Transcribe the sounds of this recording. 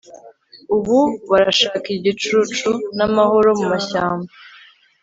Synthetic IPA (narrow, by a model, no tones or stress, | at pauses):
uβuβaɾaʃaːkiiɟit͡ʃut͡ʃunamaho̞ɾomumaçaːmba